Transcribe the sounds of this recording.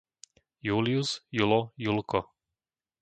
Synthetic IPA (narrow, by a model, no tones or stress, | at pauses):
julijusjulɔjulkɔ